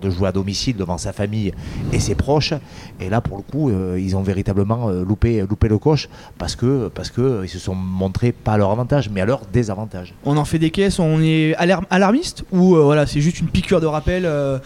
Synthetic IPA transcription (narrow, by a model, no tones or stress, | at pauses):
d̪əʒuwead̪ɔmisild̪əvɑ̃safamijesepχɔʃelapuʁləkuøilzɔ̃veʁit̪abləmɑ̃ølupelupeləkɔʃ | paʁsə̥kəpaʁsə̥kəilsəsɔ̃mɔ̃t̪χepaːlœʁavɑ̃t̪aʒmɛalœʁd̪ezavɑ̃t̪aʒɔ̃nɑ̃fɛd̪ekʲɛsɔ̃nɛalaʁmalaʁmist̪uøvwalasɛʒyst̪ynpikʲyʁd̪əʁapɛlø